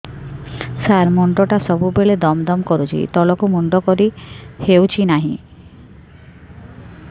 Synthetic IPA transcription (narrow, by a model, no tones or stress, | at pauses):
saɾmɔɳɖɔʈasɔbubeled̪ɔmd̪ɔmkɔɾut͡ʃʰḭt̪ɔlɔkumɔɳɖɔkɔɾihewt͡ʃʰinaɦḭ̃